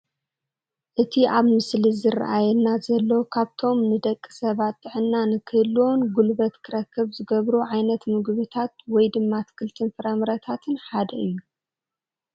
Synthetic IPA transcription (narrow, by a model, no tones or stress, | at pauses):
ʔɨt̪ʰiʔaβmɨslizɨra̰ʔajɛnːazɐlːɐwkʰaβt̪ʰo̞mnɨd̪ɐkʼːi̥sɐβat̪ʼːɨʕɨnːanɨkʰɨhɨlːwonɡulbɐt̪kʰɨɾɐkʰːɨβzɨɡɐβɾuʕajnɐt̪mɨɡβɨt̪ʰat̪wɔjd̪ɨmːat̪kʰɨlt̪ʰɨnfɨɾɐmɾɐt̪ʰat̪ʰɨnħad̪ɐɨjːu